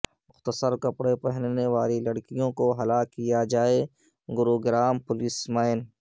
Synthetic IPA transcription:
mʊxt̪əsəɾkɐpɽepɛɦnneʋaːlilɐɽkijõkoɦɐlakijad͡ʒaːe | ɡʊɾoːɡɾaːmpʊlɪsmaːɪn

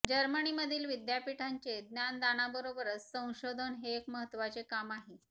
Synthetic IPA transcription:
d͡ʑəɾməniməd̪ʱiːlʋid̪japiʈʰaɲt͡ɕed̪njand̪añabəɾobəɾət͡ssə̃w̃ɕod̪ʱənɦeːkməɦət̪ːʋat͡sekamaɦe

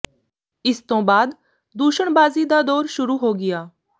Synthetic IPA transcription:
ɪst̪õːbaːd̪ | d̪uːʃəɳbaːziːd̪aːd̪oːɾʃʊɾuːɦoːɡɪjaː

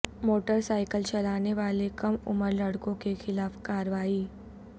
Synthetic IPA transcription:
moːʈəɾsaːɪkəlt͡ʃɐlaːneʋaːlekɐmʊməɾlɐɽkõkexɪlaːfkaːɾʋaːi

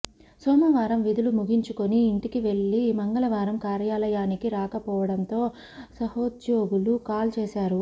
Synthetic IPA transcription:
sɔːmɐʋaːɾɐmʋid̪ulumuɡʱiɲt͡ʃukoniːɳʈikiʋe̞ɭːimɐŋɡɐlɐʋaːɾɐmkaːɾjaːlɐjaːnikiɾaːkɐpɔːʋɐɽɐnt̪o̞ː | sɐhoːd̪d͡ʒoːɡulukaːlt͡ʃeːsaːɾu

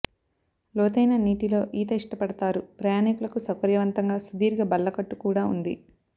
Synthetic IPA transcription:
loːt̪ɐjnɐniːʈilo̞ːʔiːt̪ɐiʂʈɐpɐɽɐt̪aːɾupɾɐjaːnikulɐkusɐkɐɾjɐʋɐnt̪ɐŋɡaːsud̪iːɾɡaːbɐlːɐkɐʈːukuːɽaːṵnd̪ḭ

